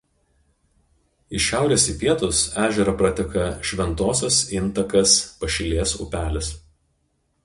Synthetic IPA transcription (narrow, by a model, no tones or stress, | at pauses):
ɪʃʲæˑʊɾʲeːsipʲiɛt̪ʊsæːʒʲɛɾɐpɾɐt̪ʲɛkɐʃʲʋʲɛnt̪oːsʲɛsɪnˑt̪ɐkɐspɐʃʲɪlʲeːsʊ̰pʲæːlʲɪs